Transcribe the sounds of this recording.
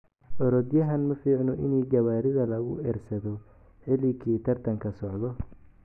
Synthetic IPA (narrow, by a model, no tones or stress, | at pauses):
ʔɔɾɔd̪jɐɦɐnmɐfiːʕnɔʔɪnɛːɡɐβaːɾɪðɐlɐɣʊ̰ɛrsɐðɔ | ħɪlɪkʰiːt̪ʰɐrt̪ʰɐŋkʰɐsɔʕðɔ